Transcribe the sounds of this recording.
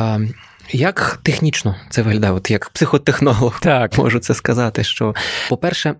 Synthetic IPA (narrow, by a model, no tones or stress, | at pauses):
jɐkt̪exnʲit͡ʃnɔt̪sɛʋɪɦlʲɐd̪ɛɔt̪jɐkpsɪxɔt̪exnɔlˠɔht̪mɔ̰ʒʊt̪sɛskɐzɑt̪ɪʃt͡ʃɔpɔpɛrʃɛ